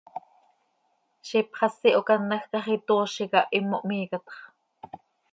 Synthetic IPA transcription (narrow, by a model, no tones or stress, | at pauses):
ʃipχɑsːiʔokɑnːɑxkɑχit̪oːʃikɑʔimːoʔmiːkɑt̪χ